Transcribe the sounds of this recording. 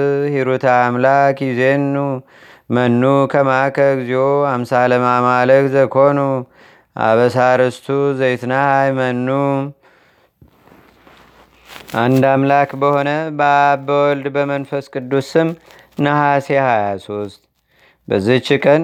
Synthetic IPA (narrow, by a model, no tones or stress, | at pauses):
hiɾut̪ʰamlakizenːu | mənːukʰəmakʰəɡzihohamsaləmamaləkzəkho̞nu | ʔa̰βəsaɾəst̪ʰuzəjt̪nahajmənːu | ʔand̪amlakbəho̞nəbabəwɔld̪bəmənfəskʼɨd̪ːusɨm | nəhasehajaso̞st̪ʼ | bəzːit͡ʃːɪkʼən